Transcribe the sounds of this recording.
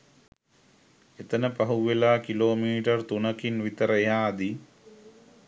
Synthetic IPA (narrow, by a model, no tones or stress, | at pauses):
et̪ənəpaɦuʋelaːkiloːmiːʈərt̪unɐkinʋit̪əɾəeɦaːd̪i